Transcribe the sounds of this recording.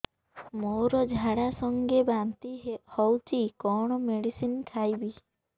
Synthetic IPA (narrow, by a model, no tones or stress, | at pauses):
mowɾɔd͡ʒʱaɽasɔŋɡebant̪ihɔwt͡ʃʰikɔɽ̃ɔmeɽisinkʰajbi